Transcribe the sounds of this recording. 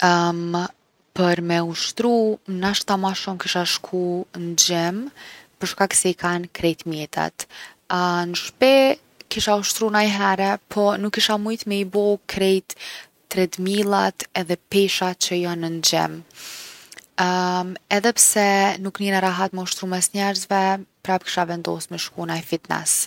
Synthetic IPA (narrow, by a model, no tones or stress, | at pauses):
pəɾmɛuʃt̪ɾunaʃt̪amaʃumkiʃaʃkʰund͡ʑɛmpəɾʃkaksɛikʰankɾɛjt̪mjɛt̪a̰t̪ | nəʃpɛ | kiʃauʃt̪ɾunajɦɛɾɛpʰɔnukːiʃamujt̪mɛibɔkʰɾɛjt̪ː | ɾɛt̪milˠat̪ɛðɛpɛʃat͡ɕəjanːənd͡ʑɛ̰m | ɛðɛpsɛnuknɛnaɾaɦat̪mɛuʃt̪ɾumɛsɲɛɾzvɛpɾapki̥ʃavɛnd̪ɔ̰smɛʃkunaɛfit̪nɛ̰s